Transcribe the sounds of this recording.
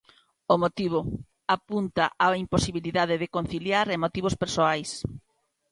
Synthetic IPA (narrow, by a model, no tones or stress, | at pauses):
omot̪iβ̞o | apunt̪aʔaimposiβiliðaðɪðɪkon̟θiljaɾemot̪iβ̞ospeɾsoajs